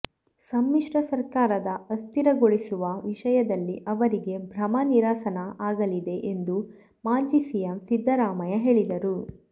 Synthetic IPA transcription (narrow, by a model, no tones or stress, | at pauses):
sɐmːiʂɾɐsɐɾkaːɾɐd̪ɐɐst̪iɾɐɡoɭisuʋɐʋiʃɐjɐd̪ɐlːiʔɐʋɐɾiɡe̞bʱɾɐmɐniɾaːsɐnɐʔaːɡɐlid̪e̞ʔend̪u | maːd͡ʒiːsijɐmsid̪ʱːɐɾaːmɐjɐɦe̞ːɭid̪ɐɾu